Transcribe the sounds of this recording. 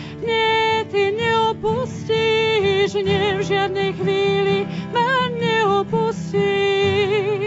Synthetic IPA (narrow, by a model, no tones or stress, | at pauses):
ɲɪɛt̪iɲɛɔpusciɦʒɲɪɛvʒɪad̪nɛjxʋiːlimaɲɛɔpusci